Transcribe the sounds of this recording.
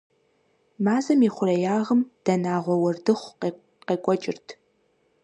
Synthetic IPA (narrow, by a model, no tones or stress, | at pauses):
maːzɐmiːχʷʊrɐjaːʁəmd̥ɐnaːʁʷɔwɐrdɨχʷ | qeːkʷʼɔt͡ʃʼɪrtʰ